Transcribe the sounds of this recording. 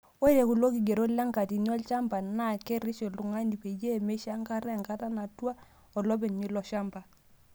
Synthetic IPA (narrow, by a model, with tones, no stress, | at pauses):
o˦i˦ɾe˨ku˨lo˦ki˨ɡe˨ɾo˦la˦ŋka˨ti˨n˦ɔ˦lt͡ʃa˦mba˨na˦˨ke˦ɾɪ˦ʃɔ˨lu˨ŋa˦ni˨pe˨je˦˨me˦ʃa˦ŋka˦ɾɛ˦˨ŋka˦ta˦na˨twa˦ | ɔ˨lɔ˦be˨ɲi˦lɔ˨˦ʃa˦mba˨